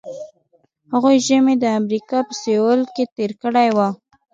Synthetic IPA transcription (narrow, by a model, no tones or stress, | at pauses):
haɣujʒəmed̪əamɾikɑpəsewəlket̪eɾkəɽajwa